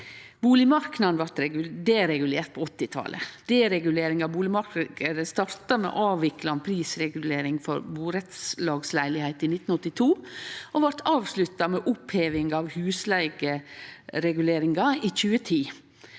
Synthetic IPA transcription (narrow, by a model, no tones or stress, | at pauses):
buːlɪmɑɾknɑd̪nʋɑɾt̪ɾɛd̪eɾɛɡʉleːɾt̪̚pʰɔɔt̪ːɪt̪ʰɑ̰ːlʔə̰d̪̥ɛɾɛɡʉleːɾɪŋɑbuːlɪmɑɾk̪əd̪əst̪ɑɾt̪ɑmɛ̰ːʔɑːʋɪklɑnpʰɾiːsɾɛɡʉleːɾɪŋfɔ̰ɾbuːɾɛt̪slɑːɡslæɪlɪhæɪt̪iːnɪt̪ːn̩ɔt̪ːɪt̪ʰuːʔoʋɑɾt̪ʰɑːʋslʉt̪ːɑmɛːʔʊpheːʋɪŋɑʋhʉːslæɪɡəɾɛɡʉleːɾɪŋɡɑiːçʉːət̪ʰiː